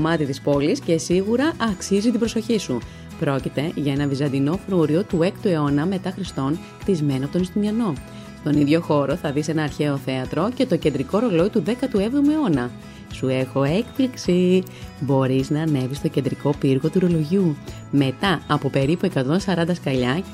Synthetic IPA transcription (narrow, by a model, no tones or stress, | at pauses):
omɐt̪it̪ispo̞lisce̞siɣuɾɐʔɐksizit̪ibɾo̞so̞çisu | pɾo̞cit̪e̞ʝɐe̞nɐvizɐnd̪ino̞fɾuɾio̞t̪ue̞kt̪ue̞o̞nɐme̞t̪ɐxɾist̪o̞n | t̪izme̞nopot̪onist̪uniɐno̞ | st̪o̞niðʝo̞xo̞ɾo̞θɐðise̞nɐːɾçe̞o̞θe̞ɐt̪ɾo̞ce̞t̪o̞cend̪ɾiko̞ɾo̞lo̞it̪uðe̞kɐt̪ue̞vðomue̞o̞nɐ | sue̞xo̞e̞kpliksi | bo̞ɾiznɐːne̞vist̪o̞ce̞nd̪ɾiko̞piɾɣo̞t̪uɾo̞lo̞ʝiu | me̞t̪ɐɐpo̞pe̞ɾipue̞kɐt̪o̞nsɐɾɐnd̪ɐskɐʎɐ